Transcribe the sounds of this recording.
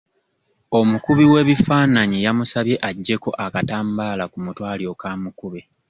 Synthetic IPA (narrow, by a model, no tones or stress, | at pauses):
o̞mukuβiwe̞ːβifaːnaɲijamusaβje̞ʔaɟːe̞ko̞ʔakataːmbaːlakumutwaːlio̞kaːmukuβe